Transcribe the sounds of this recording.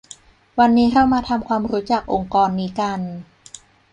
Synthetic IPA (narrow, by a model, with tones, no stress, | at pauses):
wa˧nːiː˦˥kʰa˥˩wmaː˧t̪ʰa˧mkʰwaː˧mɾuː˦˥t͡ɕa˨˩k̚ʔo˧ŋkɔː˧nːiː˦˥ka˧n